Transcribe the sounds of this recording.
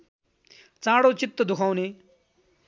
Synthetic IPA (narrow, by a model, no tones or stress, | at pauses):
t͡sãːɽoːt͡ʃɪt̪ːəd̪ʊkʰawneː